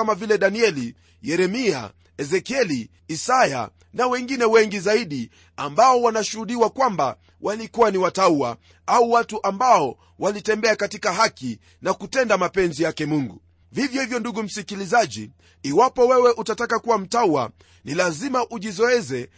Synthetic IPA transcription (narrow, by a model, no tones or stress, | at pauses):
amavilɛɗaniɛli | jɛɾɛmia̰ | ɛzɛkiɛli | isaja̰ | nawɛŋɡinɛwɛŋɡizaiɗi | ambaɔwanaʃuhuɗiwakwamba | wʔalikuwaniwataua̰ | auwatuʔambaɔ | wʔalitɛmbɛakatikaɦaki | nakutɛndamapɛnzijakɛmuŋɡu | vivjɔhivjɔnduɠum̩sikilizaʄiː | wapɔwɛwɛʔutatakakuwam̩taua̰ | nilazimaʔuʄizɔɛzɛ